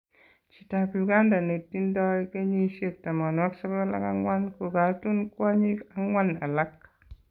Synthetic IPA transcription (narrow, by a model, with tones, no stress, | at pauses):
t͡ʃi̥˨ta˨pu˨ɡa˦nda˨ne˨tːi˦ndɔ˦i˦ke˦ɲi˦ʃe˦˨k̚ta˨ma˨na˦kso˦ko˦la̰˦ka˦ŋwa˦nku˨ɡa˨˦tu˦nku˦a˦ɲi˦a˦ŋwa˦na˨la˦k